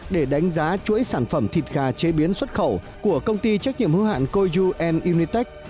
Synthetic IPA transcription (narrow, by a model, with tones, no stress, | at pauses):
ɗe˧˩ɗa˨˦jŋ̟zaː˨˦t͡ɕṵ˧˥əjsaː˧˩nfə˧˩mt̪ʰi˨˩t̚ɣaː˨˩t͡ɕe˨˦ɓi˨˦ənswə˦˥t̚xə˧˩w | ku˧˩əkə˧wŋ͡mt̪i˧t͡ɕa˦˥k̚ɲḭ˧˨əmhɨ˨˦ha̰ː˧˨nko˧jzu˧ʔɛ˧nʔi˧ni˧t̪ɛ˦˥k̚